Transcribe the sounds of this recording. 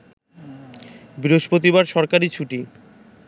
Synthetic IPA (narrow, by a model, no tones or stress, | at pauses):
biɾoʃpot̪ibaɾʃɔɾkaɾit͡ɕʰuʈi